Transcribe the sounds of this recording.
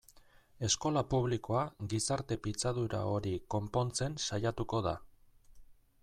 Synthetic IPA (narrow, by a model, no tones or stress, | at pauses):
e̞sko̞lapuβ̞liko̞aɡisaɾt̪e̞pit͡sað̞uɾa̰o̞ɾiko̞mpo̞nt͡se̞nsajat̪uko̞ð̞a